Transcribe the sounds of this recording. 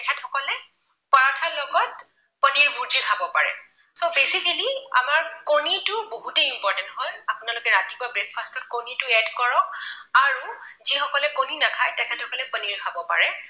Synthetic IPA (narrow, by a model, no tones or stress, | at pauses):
tɛkʰɛtxɔkɔlɛ | paɹatʰalɔɡɔt̚ | pəniɹbuɹdikʰabɔpaɹɛ̰ | sobesikəlia̰maɹkonitʊboɦutɛimpɔɹtɛnthɔjapʊnalokɛɹatibabɹek̚pʰastɔt̚konitʊɛdkɔɹɔk̚aɹuzixɔkɔlɛkoninakʰajtɛkʰɛthʰɔkɔlɛpəniɹkʰabɔpa̰ɹɛ